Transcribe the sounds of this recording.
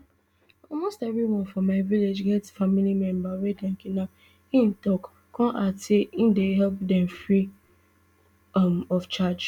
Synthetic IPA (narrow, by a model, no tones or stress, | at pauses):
ɔlmostɛvɾiwɔ̃nfɔ̃maɪviled͡ʒɡɛtfamilimɛ̃mbawɛdɛ̃ŋ̩kina | ĩn̩tɔk | kʰɔ̃ʔateĩndeɦɛlpdɛ̃mfɹi | mɔft͡ʃad͡ʒ